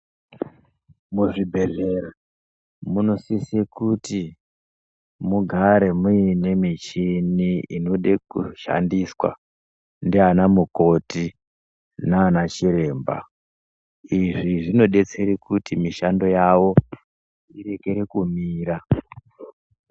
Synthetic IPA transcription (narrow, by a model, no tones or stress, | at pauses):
muʐibʱe̞reɾa | muno̞sisekuti | muɡʱaɾe̞muine̞mit͡ʃiniinoɗekuʃa̰ndiswa̰ | ndianamuko̞ti | naːnat͡ʃiɾe̞ːmba̰ | iʐiʐino̞ɗe̞t͡se̞ɾikutimiʃando̞jawo̞ | iɾe̞ke̞ɾekumiːɾa